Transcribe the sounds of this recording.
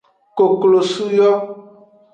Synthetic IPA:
ko˨klo˨su˦jɔ˦

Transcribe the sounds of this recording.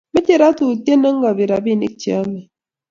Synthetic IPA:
me˦te˦˨ɾa˦tu˨ti˦e˦nə˦ŋ˦ɡa˨bi˨ɾa˨bi˦˨nḭ˦k̚t͡ʃi˨a˦mɛ˨

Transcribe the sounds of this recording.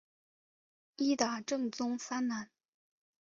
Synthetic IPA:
i˥t̪a˨˩ʈ͡ʂɤ˥˩ŋt͡sʊ˥ŋfa˥nna˧˥n

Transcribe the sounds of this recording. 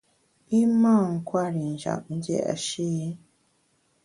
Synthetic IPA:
i˦ma˦˨ŋ̩˨kwa˦˨ɾi˨nʒa̰˨n˦ɟḛ˦˨a̰˨ʃi˦je˦

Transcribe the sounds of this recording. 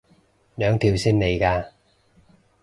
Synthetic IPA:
lœː˨˧ŋt̪ʰiː˧wsiː˥nne˨˧jkaː˧

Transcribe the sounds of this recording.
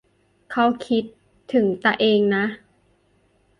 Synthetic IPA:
kʰa˦˥wkʰi˦˥t̪ʰː | ɯ˩˦ŋt̪a˧ʔeː˧ŋna˦˥ʔ

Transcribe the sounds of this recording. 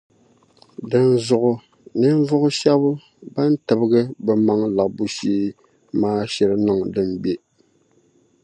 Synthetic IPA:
dɨ˨nzʊ˨ʔʊ˨ | nɨ˦n˦vʊ˦ʔʊ˦ʃɛ˦bʊ˦ | ba˦n˦tɨ˨bɨ˦ɡɨ˦bɛ˨ma˦ŋla˨ʔbu˦ʃiː˦ | maː˦ʃɛ˨ɾɨ˦nɨ˦˨ŋdɨ˨mbe˦

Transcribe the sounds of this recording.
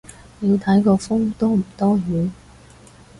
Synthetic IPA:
jiː˨˧wt̪ʰɐ˨˥jkɔː˧fʊ˥ŋt̪oː˥m̩˨˩t̪ɔː˥ɦyː˨˥

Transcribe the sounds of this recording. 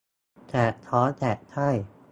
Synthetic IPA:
t̪ʰɛː˨˩k̚t̪ʰɔː˨˦˥t̪ʰɛː˨˩k̚t̪ʰa˥˩j

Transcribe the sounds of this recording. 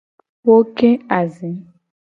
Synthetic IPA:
wo˦kẽ˦a˨zĩ˨˦

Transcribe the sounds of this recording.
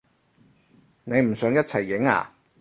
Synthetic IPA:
ne˨˧jm̩˨˩sœː˨˧˥ŋjɐ˥t̚t͡sʰɐ˨˩jːɪ˨˥ŋa̰ː˨˩˨

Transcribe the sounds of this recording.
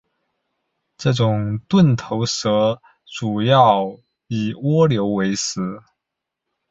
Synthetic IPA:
ʈ͡ʂɤ˥˩ʈ͡ʂʊ˨˩ŋt̪wə˥˩nt̪ʰo˧˥ʊsɤ˧˥ | ʈ͡ʂu˨˩jɑ˥˩ʊ | i˨˩wɔ˥ljo˧˥ʊwe˧˥ɪsɹ̩˨˩˦

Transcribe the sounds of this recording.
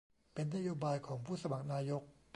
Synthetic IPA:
pe˧nːa˦˥joː˧˥baː˧jkʰɔː˩˦ŋpʰuː˥˩sa˧ma˨˩k̚naː˧jo˦˥k̚

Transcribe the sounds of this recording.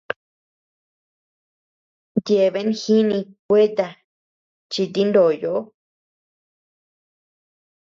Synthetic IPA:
nd̪je˨˧˨βe˧˦nxi˦nĩ˧kʷe˦t̪a˧ | t͡ʃi˧t̪i˦nd̪o˨jo˨ʔo˦

